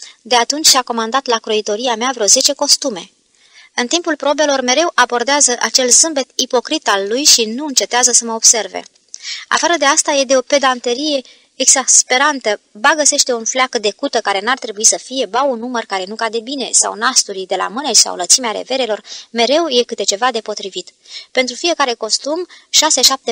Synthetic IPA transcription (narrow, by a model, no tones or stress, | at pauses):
d̪e̞at̪unt͡ʃʲsako̞mand̪at̪lakɾoit̪o̞ɾiameavɾeo̞ze̞t͡ʃe̞ko̞st̪ume̞ | ɨnt̪impulpɾo̞be̞lo̞rme̞ɾe̞wʔabo̞rd̪eazəʔat͡ʃe̞lzɨmbe̞t̪ipo̞kɾit̪alːujʃinuɨnt͡ʃe̞t̪eazəsəməob̥se̞rve̞̰ | a̰faɾəd̪e̞ast̪aje̞d̪e̞o̞pe̞d̪ant̪eɾije̞ː | ɡz̥aspe̞ɾant̪əbaɡəse̞ʃt̪e̞unflakəd̪e̞kut̪əkaɾe̞nart̪ɾe̞buisəfije̞baunːumərkaɾe̞nukad̪e̞bine̞sa̰wnast̪uɾid̪e̞la̰mɨnejsa̰wlət̪simeaɾe̞̰ve̞ɾe̞lo̞rme̞ɾe̞wje̞kɨt̪e̞t͡ʃe̞vad̪e̞po̞t̪ɾivit̪ | pe̞nt̪ɾufije̞kaɾe̞ko̞st̪umʃase̞ʃap̚t̪e